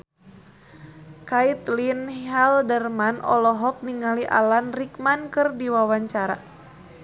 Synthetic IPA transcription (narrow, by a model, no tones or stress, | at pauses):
kait̪linhɛldərmanɔ̰lɔɦɔk̚niŋaliʔa̰lanrik̚mankɨrdiwawaɲt͡ʃaɾa̰